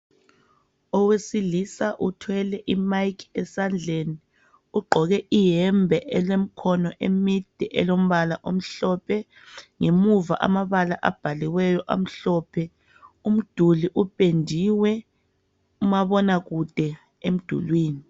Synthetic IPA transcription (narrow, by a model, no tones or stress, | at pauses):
ɔwesilisaʔutʰwɛlɛʔimajkʰɛsand͡ɮʱeni | uɡ͡ǃʱɔɣɛʔijɛmbʱɛʔɛlem̩kʰɔnɔʔemid̥ʱɛʔɛ̰lom̩βalaʔom̩ɬɔpʰɛ | ŋemuva̰ʔa̰maβalaʔa̰b̥ʱaliwɛjɔʔa̰m̩ɬɔpʰɛ | um̩d̥ʱuliʔupʼendʱiwɛ | umaβɔnaɣud̥ʱɛ | em̩d̥ʱṵlwiːni